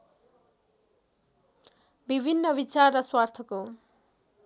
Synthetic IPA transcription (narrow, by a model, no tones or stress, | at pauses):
bibʱinːʌbit͡sarːʌswart̪ʰʌko